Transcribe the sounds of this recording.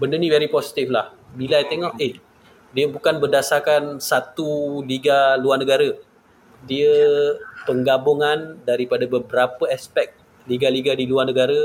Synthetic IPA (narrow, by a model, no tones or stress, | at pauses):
bəndənĩvɛɾiposi̥t̪iflah | bilajt̪eŋɔʔeh | diəbukanbərdasakansat̪uliɡaluarnə̃ɡaɾə | diəpəŋɡaboŋandaɾipadabəbəɾapəaspɛk̚ | liɡaliɡadiluarnə̃ɡaɾə